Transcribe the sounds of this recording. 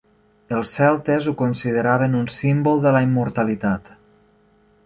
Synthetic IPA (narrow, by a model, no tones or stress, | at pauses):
əlˠsɛlˠt̪ezukonsiðəɾaβ̞ənunsimbolˠðəlaimːuɾt̪alit̪at̪